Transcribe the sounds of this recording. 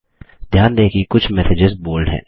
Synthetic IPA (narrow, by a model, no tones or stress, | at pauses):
d̪ʱjaːnd̪eːkikʊt͡ʃʰmɛsɪd͡ʒɪzboːlɖɦɛ̰̃ː